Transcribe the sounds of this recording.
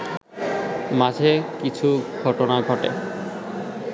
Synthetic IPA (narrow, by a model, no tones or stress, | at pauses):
mad͡ʑʱekit͡ɕʰuɡ̥ʱɔʈonaɡʱɔʈḛ